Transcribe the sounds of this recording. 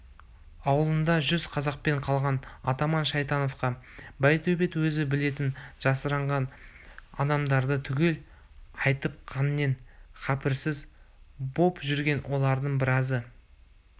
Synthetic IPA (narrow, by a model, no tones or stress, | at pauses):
ɑwəlˠənd̪ɑʒʏzqʰɑzɑq̚pe̞ɴqʰɑlˠʁɑnɑt̪ɑmɑnʃɑjt̪ɑno̞fqɑbɑjt̪ʰɵbe̞t̪wɵzɪbɪle̞t̪ɪnʒ̥ɑsəɾɑɴʁɑn | ɑ̰d̪ɑmd̪ɑɾd̪ət̪ʰʏɡʲe̞l | ɑjt̪əp̚qʰɑnme̞nqʰɑpɪɾsɪzbo̞pʒʏɾɡʲe̞nwʔo̞lˠɑɾd̪əɴbɪɾɑzə